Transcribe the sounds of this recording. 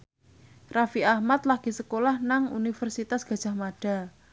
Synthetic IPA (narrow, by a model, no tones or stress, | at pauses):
rafiahmat̪̚laɡ̥i̤səkolahnaŋṵnifərsit̪asɡ̥a̤d̥ʒ̥a̤hmaɖ̥a̤